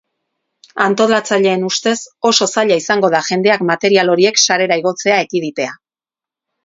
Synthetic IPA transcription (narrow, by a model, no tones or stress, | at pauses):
ant̪o̞lat͡saʎe̞ːnust̪e̞so̞so̞saʎaisaŋɡo̞ð̞aʝe̞nd̪eakmat̪e̞ɾialo̞ɾie̞ksaɾe̞ɾaiɣ̞o̞t͡se̞ae̞kiðit̪e̞a